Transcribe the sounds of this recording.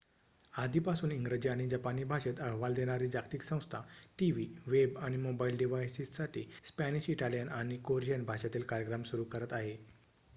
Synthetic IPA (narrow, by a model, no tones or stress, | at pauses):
ad̪ʱiːpasuːniŋɡɾəd͡ʑiaɽ̃id͡ʑapaniːbʱaɕet̪əɦʋald̪eɽ̃aɾiːd͡ʑaɡt̪iksə̃w̃st̪ʰaʈiʋiʋebaɽ̃imobailɖiʋajsissaʈʰḭːspæñiɕiʈalijənaɽ̃ikoɾijənbʱaɕat̪iːlkaɾjəkɾamsuɾukəɾət̪aɦe